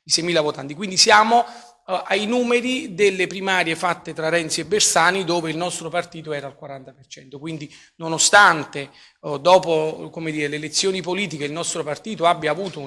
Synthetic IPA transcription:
isɛjmiːlavot̪ant̪ikwind̪isjaːmo | ʔajnuːmeɾid̪elːepɾimaːɾjefat̪ːet̪ɾaɾɛnsiɛbːersaːnid̪oːveilnɔst̪ɾopart̪iːt̪oɛːɾalkwaɾant̪apert͡ʃɛnt̪okwind̪i | nonost̪ant̪e | d̪ɔːpokomed̪iːɾeleːlet̪sːjoːnipoliːt̪̬ikeilnɔst̪ɾopart̪iːt̪oabːjaːvuːt̪o

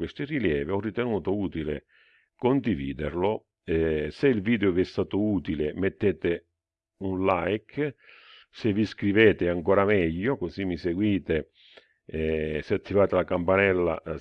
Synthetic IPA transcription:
west̪ɪriljɛːviɔrːit̪ɛnuːt̪ʊuːt̪ilḛ | kond̪ivḭːd̪ɪɾlo | ɛseilviːd̪eʊviɛst̪aːt̪ʊuːt̪ilɪmɛt̪ːɛːt̪ɪ | unlajk | seviskɾivɛːt̪ɪaŋkɔːɾamɛʎːʊkosimːiseɡwiːt̪e | seat̪ʰːivaːt̪ɪlakampanɛlːa̰

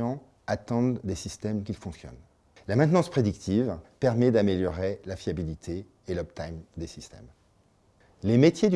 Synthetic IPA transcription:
ɑ̃ | at̪ɑ̃d̪ːesist̪ɛmk̬ʲilfɔ̃ksjɔ̰n | lamɛ̃t̪nɑ̃spχed̪ikt̪ʰivpɛʁmɛd̪ameljɔʁelafjabilit̪ʰeː | lɔp̚t̪ajmd̪esist̪ɛ̰m | lemet̪jed̪y

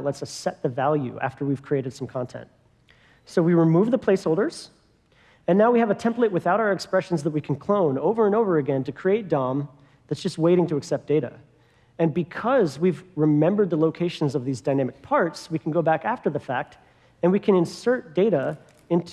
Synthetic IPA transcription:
tlɛtsʌsɛt̪̚ðɨvælˠjʉ̰ʔæ̰ftʰə˞wiv̥kʰɹ̥ieɪɾɨd̥sʌ̃mkʰɑ̃ntʰɛ̰̃nt̚ | soʊwiɹɨmuvðəpʰl̥eɪshoʊlˠdə˞z̥ | ɨ̃nːaʊwiɨvɨtʰɛ̃mpleɪt̚wɨθaʊɾaʊə˞ɨkspɹɛʃn̩zðət̚wikʰn̩kʰl̥õʊ̃noʊvə˞ɨ̃noʊvə˞ɨɡɛ̃ntɨkʰɹ̥ieɪt̚d̥ɑ̃m | ðɨtsd̥ʒ̥ʌst̚weɪɾɪ̃ŋtɨːksɛp̚d̥eɪɾɨ̰ | ɨ̃nbɨkʰʌzwivɹɨmɛ̃mbə˞d̪̚ðəloʊkʰeɪʃn̩zʌvðizdaɪnæmɨk̚pʰɑɹtswikʰn̩ɡoʊbækæftə˞ðɨfæk̚t | ɨ̃nwikʰɨ̃ñɨ̃nsɜ˞t̚d̥eɪɾə | ɪ̃ntʰ

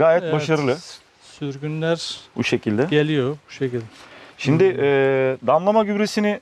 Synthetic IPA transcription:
ɡaːjɛt̪̚baʃaɾɯlˠɯ | syɾɡʲynlʲæɾbṵʃe̞cʰilʲd̪ɛelʲijobuʃecilʲd̪ɛʃimd̪ɪʔɛːd̪amlˠamaɟybɾesinɪ

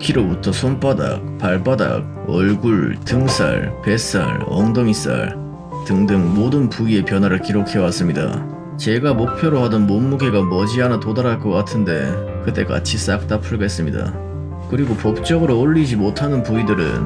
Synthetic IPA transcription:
kʰiɾobutʰʌsʰonp͈ada̰k̚paɭpada̰k̚ | ʌɭɡuɭtɯŋs͈ʰa̰ɭpe̞s͈a̰ɭʌ̰ŋdoŋis͈a̰ɭ | tɯŋdɯŋmodɯnpuie̞pjʌnwaɾɯɭkiɾokʰe̞was͈ɯmɲida̰ | t͡ɕe̞ɡamok̚pʰjoɾohadʌnmomːuɡe̞ɡamʌd͡ʑianatodaɾaɭk͈ʌk͈atʰɯnde̞̰ | kɯt͈e̞ka̰t͡ɕʰis͈ak̚t͈apʰɯɭɡe̞s͈ɯmɲida̰ | kɯɾiɡopop̚t͡ɕ͈ʌɡɯɾoːʎːid͡ʑimotʰanɯnpuidɯɾɯ̰n

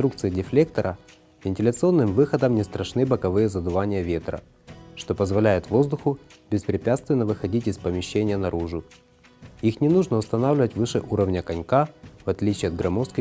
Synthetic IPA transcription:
t̪ɾuk̚t̪sɨjɪdʲɪflʲe̞k̚t̪əɾʔə | vʲɪnʲtʲɪlʲət̪sɨo̞nːɨmvɨxəd̪əmnʲɪst̪ɾʔɐʂnɨbəkɐvɨjəzəd̪ʊvanʲɪjəvʲe̞t̪ɾə̰ | ʂt̪o̞pəzvɐlʲæjɪt̪vo̞zd̪ʊxʊbʲɪspɾʲɪpʲat̪st̪vʲɪnːəvɨxɐdʲitʲɪspəmʲɪɕːenʲɪjənɐɾuʐʊ | ixnʲɪnuʐnəʊst̪ɐnavlʲɪvətʲvɨʂɨʔuɾəvnʲəkɐnʲkavɐt̪lʲit͡ɕɪɐd̪ɡɾɐmofskə

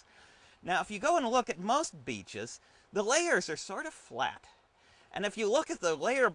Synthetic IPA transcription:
naʊəfjɨɡoʊə̃nlʊkɨt̚moʊst̚b̥ḭt͡ʃɪ̰z̥ | ðəleɪə˞zə˞sɔɹɾʌv̥flæ̰ɾ | ʔɨ̰̃nɨfjɨlʊkɨt̪̚ðəleɪə˞

